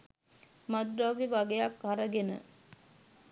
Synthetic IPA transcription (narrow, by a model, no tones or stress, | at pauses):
mad̪ɾaʋiʋaɡejakɦaɾəɡenə̰